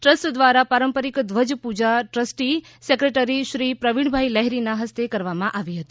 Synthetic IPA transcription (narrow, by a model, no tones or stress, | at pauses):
ʈɾəsʈd̪ʋaɾapaɾəmpəɾikd̪ʋəd͡ʒpud͡ʒaʈɾəsʈi | sekɾeʈəɾiʃɾipɾəʋiɳ̃bʱailəɦɾinaɦəst̪ekəɾʋamãʔaʋiɦət̪i